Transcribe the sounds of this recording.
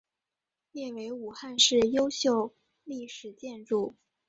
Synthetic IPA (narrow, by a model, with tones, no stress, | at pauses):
ljɛ˥˩we˧˥ɪu˨˩xa˥˧nʂɻ̩˥˩jo˥ʊɕjo˥˧ʊ | li˥˩ʂɻ̩˨˩t͡ɕjɛ˥˧nʈ͡ʂu˥˩